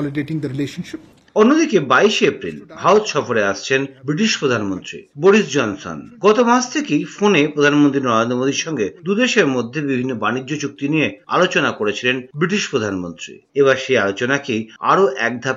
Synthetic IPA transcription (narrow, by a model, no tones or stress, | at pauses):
liɖeʈĩŋd̪ɐɾileʃonʃip | onːod̪ikebaiʃeepɾḭlʱaot̪ʃɔfoɾeaʃt͡ɕʰenbɾiʈiʃpɾod̪ʱanmont̪ɾḭboɾisd͡ʑɔnso̰nɡɔt̪omasʰt̪ʰekejfonepɾod̪ʱanmõnt̪̬ɾinɔɾend̪ɾomod̪ʱiɾʃɔŋɡed̪ud̪eʃeɾmod̪ʱːebibʱinːobanid͡ʑːot͡ɕuk̚t̪inijea̰lot͡ɕonakoɾet͡ɕʰilenbɾiʈiʃpɾod̪ʱanmont̪ɾḭeβaɾʃejalot͡ɕonakea̰ɾoʔɛk̚d̪ʱap